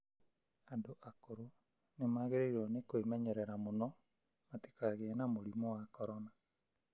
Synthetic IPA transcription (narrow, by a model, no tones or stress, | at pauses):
andoʔakoɾo | nemaːɣeɾeiɾɔnekoemɛɲɛɾɛɾamonɔ | mate̥kaɣenamoɾimɔwakɔɾɔna